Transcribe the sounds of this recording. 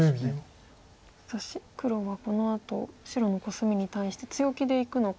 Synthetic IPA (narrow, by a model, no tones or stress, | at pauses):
at̪aɕikɯ̟ɾo̞βako̞no̞at̪o̞̰ɕiɾo̞no̞ko̞sɨmʲiɲ̟it̪aiɕi̥t̪e̞t͡sɨjo̞kʲid̪e̞ikɯ̟no̞k